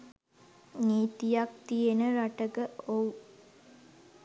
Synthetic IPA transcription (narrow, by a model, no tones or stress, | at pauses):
niːt̪ijak̚t̪ijenəɾaʈəɡəou